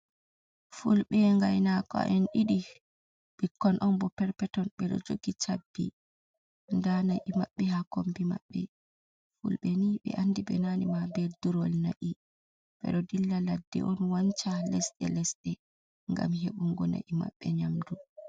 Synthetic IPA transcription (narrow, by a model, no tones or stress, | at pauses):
fulɓɛŋɡajnakɔ̰ʔɛnɗiɗi | b̥ikːɔnʔɔnbɔpɛɾpɛtɔnɓɛɗɔ̰d͡ʒoɡit͡ʃabːḭ | ndanajʔimaɓːɛɦakombima̰ɓːɛ | fulɓɛniɓɛ̰ʔandiɓɛ̰nanimabɛlduɾɔlna̰ʔi | ɓɛ̰ɗɔdilːaladːɛ̰ʔɔnwant͡ʃalɛsɗɛ̰lɛsɗɛ | ŋɡa̰mɦeɓuŋɡɔna̰ʔima̰ɓːɛɲamdu